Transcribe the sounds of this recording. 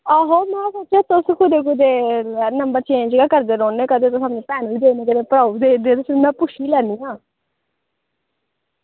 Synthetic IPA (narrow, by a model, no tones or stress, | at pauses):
aːɦoːmɛ̃ːsotːt͡ʃʃeːt̪ʊskʰʊd̪eːk̬ʊd̪eːnəmbəɾt͡ʃẽt͡ʃːɡaːkəɾd̪eːɾoːneːkəd̪eːt̪ʊsamnẽːpɛːnoiːd̪eːneːkəd̪eːpəɾaːud̪eːd̪eːt̪ʊsmɛ̃ːpʊʃʰiːlɛːniːãː